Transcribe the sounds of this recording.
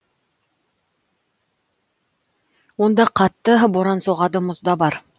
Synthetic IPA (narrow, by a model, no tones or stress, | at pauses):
wond̪ɑqʰɑt̪ːəboɾɑnsoʁɑd̪əmʊzd̪ɑbɑɾ